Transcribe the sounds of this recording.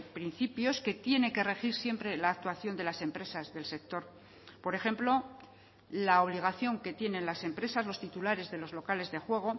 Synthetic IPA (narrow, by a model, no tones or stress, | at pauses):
pɾin̟θipjo̞ske̞t̪je̞ne̞ke̞re̞xiɾsje̞mpɾe̞laːk̚t̪waθjo̞nd̪e̞lase̞mpɾe̞sazðe̞lse̞k̚t̪o̞ɾ | po̞ɾe̞xe̞mplo̞ | lao̞β̞liɣ̞aθjo̞ŋke̞t̪je̞nẽ̞nlase̞mpɾe̞sazlo̞st̪it̪ulaɾe̞zðe̞lo̞zlo̞kale̞zðe̞xwe̞ɣ̞o̞